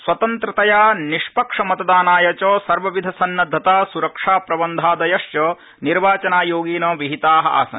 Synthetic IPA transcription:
sʋɐt̪ɐnt̪ɾɐt̪ɐjaːniʂpɐkʂɐmɐt̪ɐd̪aːnaːjɐt͡ʃoːsɐɾʋɐʋid̪ʱɐsɐnːɐd̪ʱːɐt̪aːsuɾɐkʂaːpɾɐbɐnd̪ʱaːd̪ɐjɐʂjoː | niɾʋaːt͡ʃɐnaːjoːɡiːnoːʋiɦit̪aːɦɐ̰̆ʔa̰ːsɐ̰n

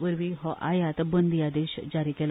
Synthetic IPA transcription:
ʋəɾʋiɦɔʔajat̪abənd̪ijad̪eɕd͡zaɾikɛl

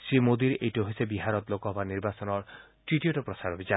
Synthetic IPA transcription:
simod̪iɾejʈuɦojsebiɦaɾɔt̪lokɔɦɔbaniɾbasɔnɔɾ | ʈɾiʈijoʈɔpɾɔsaɾobʱit͡ʃa

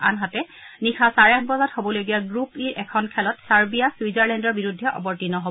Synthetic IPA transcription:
a̰nɦatɛ | nixʰasaɹak̚ʰbɔzathobɔlojɡijaɡɹupiʔɛkʰɔnkʰɛlɔtsaɹbijaswizaɹlɛndɔɹbiɹudʱːɛʔɔ̰bɔɹtinɔɦo

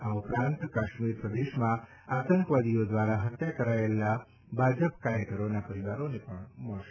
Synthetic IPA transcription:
aupɾãnt̪kaʃmiɾpɾəd̪eʃmã | at̪ə̃ŋkʋad̪ijod̪ʋaɾaɦət̪jakəɾaela | bʱad͡ʒəpkaɾjək̪əɾonapəɾiʋaɾonepəɳməɭʃe

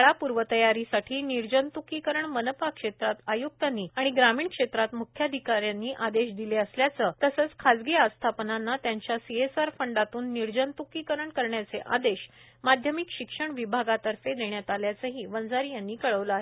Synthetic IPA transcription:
ɭapuɾʋət̪əjaɾisaʈʰiːniɾd͡ʑənt̪ukiːkəɾəɳmənəpakʂet̪ɾat̪ajuk̚t̪anːiːaɽ̃iɡɾamiːɳkʂet̪ɾat̪mukʰjad̪ʱikaɾjanːiːʔad̪eɕd̪ileəsljat͡səːt̪əsəːt͡skʰad͡zɡeast̪ʰapənanːat̪jaɲt͡ɕjasiesaɾfəɳɖat̪uːnːiɾd͡ʑənt̪ukiːkəɾəɳkəɾɳjat͡seʔa̰d̪eɕ | mad̪ʱjəmikɕikʂəɳʋibʱaɡat̪əɾfed̪eɳjat̪aljat͡səɦiːʋənd͡zaɾijanːiːkəɭəʋləaɦe

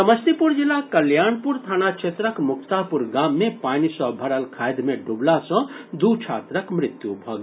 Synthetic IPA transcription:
sɐməst̪ipuɾd͡ʒilakɐljaːɳpuɾt̪ʰaːnat͡ʃʰet̪ɾəkmʊkʰt̪apuɾɡaːmːẽpaːnisɔbʱɐɾəlkʰaːjd̪mẽɖublasɔ̃d̪ut͡ʃʰa̰ːt̪ɾəkmɾɪt̪jubʱɐɡ

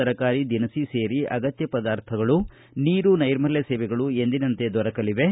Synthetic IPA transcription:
ɐɾɐkaːɾid̪inɐsiseːɾiɐ̰ɡɐt̪jɐpɐd̪aːɾt̪ʰɐɡɐɭu | niːɾunɐjɾmɐlːeseːʋɛɡɐɭue̞nd̪inɐnt̪e̞d̪ɔɾɐkɐliʋe̞

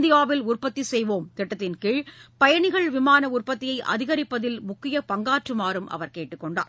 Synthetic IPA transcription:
d̪ɪjaːʋɪlʊrpɐt̪ːisɛjʋoːmt̪ɛʈːɐt̪ːɪnkɪːɻpɐjɐɳɪɣɐɭʋɪmaːnɐʊrpɐt̪ːɪjɐɪʔɐ̰ðɪɣɐɾɪpːɐðɪlmʊkːɪjɐpɐŋɡaːʈrɯmaːɾɯmʔɐ̰ʋɐɾkeːʈːɯkːɔɳɖa̰ːɾ

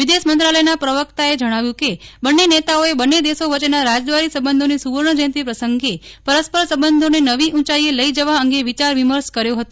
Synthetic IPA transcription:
ʋid̪eʃmənt̪ɾaləjnapɾəʋəkt̪aed͡ʒəɽ̃aʋjũkebənːenet̪aoebənːed̪esoʋət͡ʃenaɾad͡ʒd̪ʋaɾisəbənd̪onisuʋəɾɳ̃əd͡ʒə̃nt̪ipɾəsəŋɡepəɾəspəɾsəbənd̪ʱonenəʋiʔũt͡ʃaieləid͡ʒəʋaəŋɡeʋit͡ʃaɾʋiməɾʃkəɾjoɦət̪õ

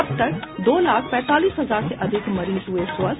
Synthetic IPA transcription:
ɐbt̪əɾd̪oːlaːkʰpɛ̃ːt̪aːliːsɦɐzaːɾseʔɐd̪ʱɪkmɐɾiːzɦʊesoəz

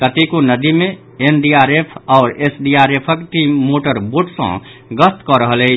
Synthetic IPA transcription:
kət̪ikonəd̪ime | enɖiaɾepʰɔʊɾesɖiaɾepʰəkʈimːoʈəɾboʈsə̰̃ɡəst̪kɔɾəɦəlɛ

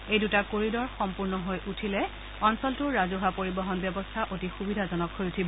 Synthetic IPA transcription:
ejdutakoɹidɔɹxɔmpuɹnɔɦojʔutʰilɛ | ɔnsɔltʊɹazuɦapoɹibɔɦɔnbjɔbɔstʰaʔotixubidʱazɔnɔkɦojutʰibɔ

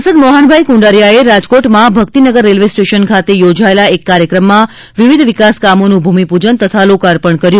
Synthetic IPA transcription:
səd̪mɔɦaɳbʱajkũɳɖaɾjaeɾad͡ʒkoʈmãbʱəkt̪inəɡəɾːelʋesʈeʃənkʰat̪ejod͡ʒaelaekːaɾjəkɾəmːã | ʋiʋid̪ʱʋikaskamonũbʱumipud͡ʒənt̪ət̪ʰalokaɾpəɳkəɾjũ

